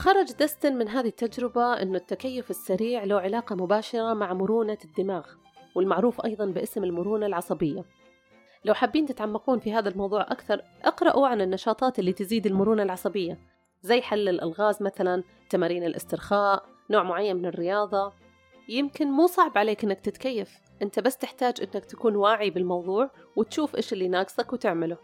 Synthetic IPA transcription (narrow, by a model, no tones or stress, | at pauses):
xɑɾˤɑd͡ʒd̪ast̪ɪnmɪnɦaːðit̪ːad͡ʒɾɪbaʔɪ̰nːʊt̪ːakajːʊfɪsːaɾiːʕlawʕɪlaːqɑmʊbaːʃɑɾˤɑmaʕmʊɾuːnad̪ːɪmaːɣ | wɪlmaʕɾuːfʔɑ̰jðˤɑnbɪʔɪsmɪlmʊɾuːnalʕɑsˤɑbɪjːa | lawħabːiːnt̪ɪt̪ʕamːaquːnfiɦaːðalmɑwðˤuːʕʔa̰kθɑɾˤʔɑqɾˤɑʔuʕanɪnːɑʃɑːt̪ˤɑːt̪ʔɪlːit̪ɪziːd̪ɪlmʊɾuːnalʕɑsˤɑbɪjːa | zajːħalːɪlʔɪ̰lɣaːzmaθalan | t̪amaːɾiːnɪlʔɪ̰st̪ɪɾxaːʔ | noːʕmʊʕajːanmɪnɪrːɪjɑːðˤɑ | jɪmkɪnmuːsˤɑʕbʕaleːkʔɪnːak̚t̪ɪt̪kajːaf | ʔɪnt̪abasːt̪ɪħt̪aːd͡ʒʔɪnːakt̪ḁkuːnwaːʕibɪlmɑwðˤuːʕwɪt̪ʃuːfʔɪːʃʔɪlːinaːɡsˤakwt̪ɪʕmɪlʊ